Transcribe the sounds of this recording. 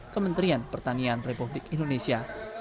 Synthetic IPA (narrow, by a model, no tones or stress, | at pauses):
kəmənt̪ɾianpərt̪anianrepublɪkindonesia